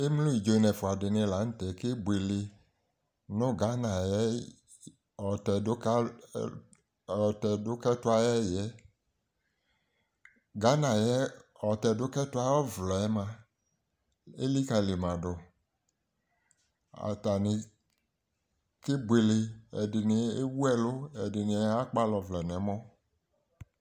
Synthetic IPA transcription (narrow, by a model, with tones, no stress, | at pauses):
e˦mlo˦i˨d͡ʒo˨i˨nɛ˨fʊ˨a˨dɪ˨nɪ̃˧la˨˦n̩˦tɛ˨ke˦bʷe˨lɪ˧ | nʊ̃˦ɡa˨˦nã˨jɛ˦ | ɔ˨tɛ˨˦k | ɔ˨tɛ˨dʊ˦kɛ˦tʊ˦a˦jɛ˦jɛ˦ | ɡa˨˦nã˨jɛ˦ɔ˨t̪ɛ˨do˦kɛ˦tʊ˦a˦ɔ˦vlɔ˨ɛ˦mã˦ | e˦li˦ka˨le˨mã˨ɖo˨ | a̰˨t̪a˨ne˨ | ke˦be˨le˨ɛ̰˨dɪ˨ne˨e˦wu˦ɛ˦lo˦ɛ˨dɪ˨ne˨˦a˦k͡pa˦lɔ˨vlɛ˨nɛ˨˦mɔ̃˦